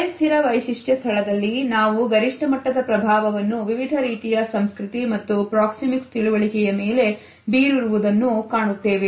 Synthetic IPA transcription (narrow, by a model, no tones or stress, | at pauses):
ɐjst̪iɾɐʋɐjʃiʂjɐst̪ʰɐɭɐd̪ɐlːinaːʋuɡɐɾiʂʈɐmɐʈːɐd̪ɐpɾɐbʱaːʋɐʋɐnːuʋiʋid̪ʱɐɾiːt̪ijɐsɐmskɾit̪imɐt̪ːupɾaːksimikst̪iɭuʋɐɭikɛjɐme̞ːle̞ | biːɾiɾuʋud̪ɐnːukaːɳut̪ːe̞ːʋe